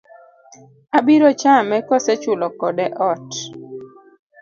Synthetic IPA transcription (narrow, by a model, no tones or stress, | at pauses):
abiɾɔt͡ʃamɛkɔsɛt͡ʃʊlɔkɔdɛʔɔt